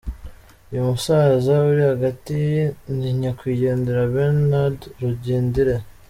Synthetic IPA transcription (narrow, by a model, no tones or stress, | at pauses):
ujumusaːzauɾihaɡatiniɲakwiːɟe̞ːndiɾaβeɾnadɾuɟeːndiɾe